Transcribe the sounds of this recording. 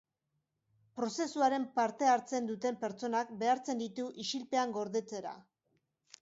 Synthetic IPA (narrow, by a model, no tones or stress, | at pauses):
pɾo̞se̞suaɾe̞mpaɾt̪e̞aɾt͡se̞nd̪ut̪e̞mpe̞ɾt͡so̞nakbe̞aɾt͡se̞nd̪it̪uʔiʃilpe̞aŋɡo̞ɾðe̞t͡se̞ɾa̰